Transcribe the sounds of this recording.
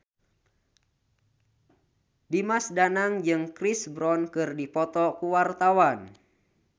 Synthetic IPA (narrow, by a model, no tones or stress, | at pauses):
dimasdanaŋd͡ʒɨŋkɾisbɾɔnkɨrdipɔt̪ɔkuwart̪awan